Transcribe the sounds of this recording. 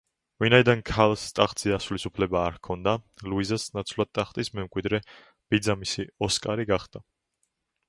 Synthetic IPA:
vinaid̪ankʰalˠst̪ʼaχt̪z̥iasulisupʰlɛbaːɾkʰɔnd̪aluizasnat̪sʰvlˠad̪̚t̪ʼaχt̪ʼismɛmkʼwid̪ɾɛ | b̥id̪zamisiɔskʼaɾiɡaχd̪a

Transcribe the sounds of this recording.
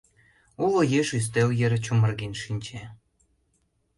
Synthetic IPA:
ulojeʃys̬t̪eljeɾt͡ɕumə̆rɣinʃinʲt͡ɕe

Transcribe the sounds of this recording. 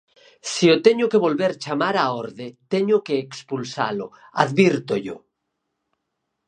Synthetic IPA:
siot̪eɲokeβolβeɾt͡ʃamaɾaoɾðet̪eɲokeːkspulsa̰lo̰ | a̰ðβiɾt̪oʎo̰

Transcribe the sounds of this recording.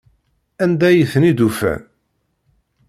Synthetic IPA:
ænd̪æjəθnid̪ufæ̰n

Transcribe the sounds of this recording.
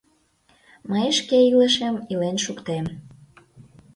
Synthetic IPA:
məjʃkeilə̆ʃemilenʃukt̪em

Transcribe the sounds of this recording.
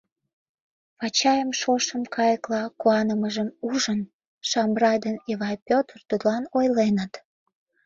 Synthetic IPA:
pɑt͡ɕɑjəmʃoʃəmkɑjəklɑkuɑnəməʒəmuʒən | ʃɑmbrɑjd̪əneβɑjpʲot̪rt̪ud̪əlɑnojlenət̪

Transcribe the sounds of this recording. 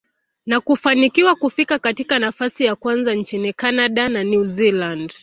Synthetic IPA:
nakufanikiwakufikakatikanafasijakwanzant͡ʃinikanaɗananjuziland

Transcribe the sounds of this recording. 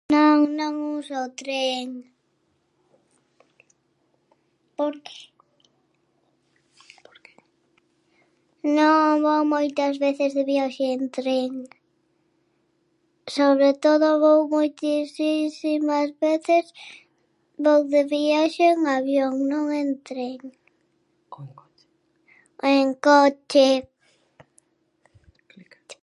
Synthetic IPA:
noŋnõŋusot̪ɾeŋ | poɾke̥ | noŋβowmojt̪ɐzβeθezðeβjaʃeːnt̪ɾeŋ | soβɾet̪oðoβowmojt̪isisimazβeθes | βowðeβiaʃeŋaβjoŋnõŋent̪ɾeŋ | eŋkot͡ʃe

